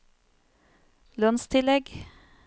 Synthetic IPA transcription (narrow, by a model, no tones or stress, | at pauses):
lœnst̪ʰɪlɛɡ